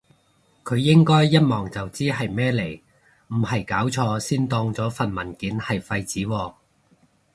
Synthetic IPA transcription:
kʰɵ˨˧ɥːɪ˥ŋkɔː˥jːɐ˥t̚mɔː˨˩ŋt͡sɐ˨wt͡siː˥ɦɐ˨jmɛː˥le˨˩j | m̩˨˩hɐ˨jkaː˨˥wt͡sʰɔː˧siː˥nt̪ɔː˧ŋt͡sɔː˨˥fɐ˨nmɐ˨˩nkiː˨˥nhɐ˨jfɐ˧jt͡siː˨˥wɔː˧

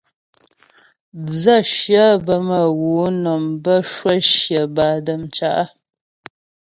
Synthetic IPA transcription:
d͡zə˦˨ʃjə˦bə˨mə˨ɣu˨˦nɔ˨mbə˦˨ʃwə˦˨ʃjə˨ba˨də˨mt͡ʃa˨ʔa˦

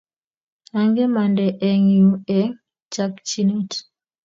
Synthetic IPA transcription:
a˨ŋɡe˦ma˨ndɛ˨ʔɛ˨ŋju˨ɛ˨ŋ | t͡ʃa˦kt͡ʃi˦nu˦t

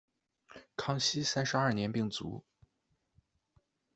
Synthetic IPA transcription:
kʰɑ˥ŋɕi˥sa˥nʂɻ̩˧˥ɐ˞˥˩njɛ˧˥npi˥˩ŋt͡sṵ˧˥

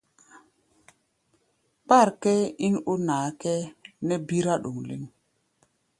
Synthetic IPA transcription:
k͡pa˦˨ɾkɛ˦i˦nu˦naː˨˦kɛ˦nɛ˦bi˦ɾa˦ɗu˨ŋlḭ˦ŋ

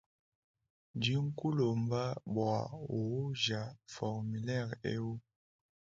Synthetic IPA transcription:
n˨d͡ʒi˨˦ŋ̩˦ku˦lo˨m̩˦ba˦ɓwa̰˨wu˨u˦ʒa˨fɔ˨kmi˨lɛ˦˨ɾḛ˦u˦

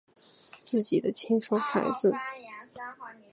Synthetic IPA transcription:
t͡sɹ̩˥˩t͡ɕi˨˩d̪ə˦t͡ɕʰi˥ŋʂo˥ŋxʰa̰˧˥ɪd͡zɹ̩˧˩

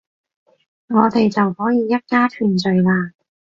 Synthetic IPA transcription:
ŋɔː˨˧t̪e˨jt͡sɐ˨whɔː˨˥jiː˨˧jɐ˥t̚kaː˥t̪ʰyː˨nt͡sɵ˨˧jlaː˧

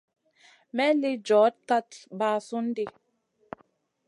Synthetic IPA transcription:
mɛ˦li˦d͡ʒɔ˨˦t̚ka˦tbaː˨˦su˦n˦di˦

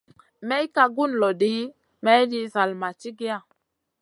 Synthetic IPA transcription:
mɛ˦jka˨ɡu˦nlɔ˨di˨˦ | mɛ˦jdi˦za˨lma˨t͡ʃi˦ɡi˦a˦˨

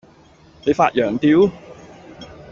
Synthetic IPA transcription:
ne˨˧faː˧t̚jœː˨˩ŋt̪iː˨˧w

